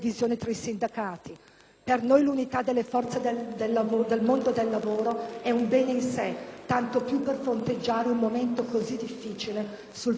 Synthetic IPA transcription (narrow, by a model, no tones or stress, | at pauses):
vizjoːnet̪ɾaisind̪akaːt̪i | pernojlunit̪ad̪ːelːefɔrt̪sed̪d̪elːavod̪elmond̪od̪elːavoːɾoɛumbɛːneinset̪ːant̪opjupːerfɾont̪ed͡ʒːaːɾeummːoment̪okozid̪ːifːiːt͡ʃile | sul